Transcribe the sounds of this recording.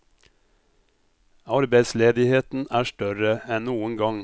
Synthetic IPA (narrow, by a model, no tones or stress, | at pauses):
ɑɾbæɪd̪sleːd̪ɪheːt̪n̩ʔæːʂʈœɾəɛnnuːəŋɡɑŋ